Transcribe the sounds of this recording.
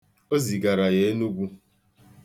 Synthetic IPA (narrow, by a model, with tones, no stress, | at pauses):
o˦zi˨ɡa˨ɾa˨je˨˦nu˦ɡʷu˦